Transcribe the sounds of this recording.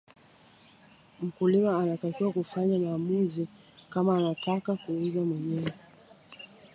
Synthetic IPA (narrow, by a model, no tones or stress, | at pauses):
m̩kulimaːnatakiwakufaɲamaːmuzi | kamaːnatakakuuzamwɛɲɛwɛ